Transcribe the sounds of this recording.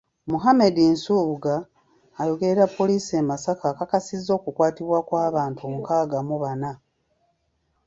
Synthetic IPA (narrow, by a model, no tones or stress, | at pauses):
muɦame̞dinsuːβuɡaː | jo̞ɡe̞ɾeɾapːo̞liːsiemasakakakasizːo̞ːkukwaːtiβwakwaːβaːntuomukaːɡamuβana